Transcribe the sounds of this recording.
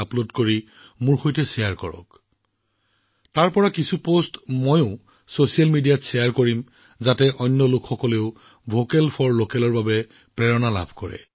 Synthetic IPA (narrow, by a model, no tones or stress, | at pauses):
aplodkoɹi | mʊɹxojtɛsɛjaɹkɔɹɔ̰k | taɹpɔɹakisupostmojʊ̃ | sosijalmidijatsɛjaɹkoɹim | zatɛʔɔnːjɔlʊkxɔkɔleʊ | bʱokɛlpʰɔɹlokɛlɔɹbabɛ | pɹɛɹɔnala̰bʱkɔɹɛ̰